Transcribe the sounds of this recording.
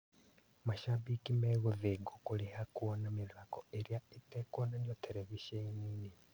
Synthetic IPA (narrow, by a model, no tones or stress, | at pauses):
maʃaβikimeɣoðeɡokulehakuwonamilakoeɾjaitekwonanjotʰeleβiʃenini